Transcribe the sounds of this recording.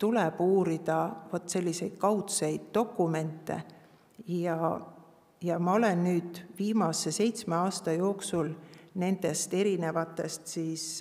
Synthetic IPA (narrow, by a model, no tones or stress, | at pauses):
t̪uleb̥uːɾid̪̥ɑvo̞t̪ːˑse̞lːise̞jd̪̥kɑwt̪sejd̪̥ːo̞kːˑume̞nt̪ˑːe̞̰ | jɑ | jɑmɑo̞le̞nːyːd̪̥viːmɑsːe̞se̞jt̪smeɑːst̪ɑjo̞ːksulne̞nd̪̥e̞st̪e̞ɾine̞vɑt̪ːˑe̞st̪siːs